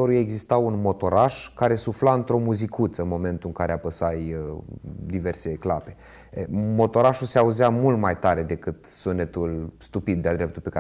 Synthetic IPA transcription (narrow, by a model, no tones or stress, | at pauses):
oɾujeeɡzist̪awunmo̞t̪o̞ɾaʃkaɾe̞suflaɨnt̪ɾo̞muzikut̪səɨnmo̞me̞nt̪uɨŋkaɾeapəsaj | d̪ive̞rse̞klape̞ | mo̞t̪o̞ɾaʃuseauzeamult̪majt̪aɾe̞d̪e̞kɨt̪sunːet̪ulst̪upid̪̚ːead̪ɾe̞p̚t̪ulpeka